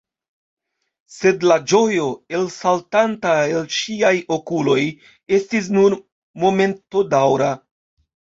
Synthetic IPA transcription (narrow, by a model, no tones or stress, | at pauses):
se̞dlad͡ʒo̞jo̞e̞lsaltantaelʃiajo̞kulo̞j | e̞stis̬nuɾ | mo̞me̞nto̞dawɾa